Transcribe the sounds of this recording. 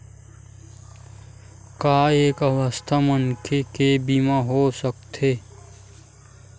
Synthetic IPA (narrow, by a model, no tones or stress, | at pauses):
kaːeːkəʋəst̪ʰamənkʰekebimaɦosək̚t̪ʰeː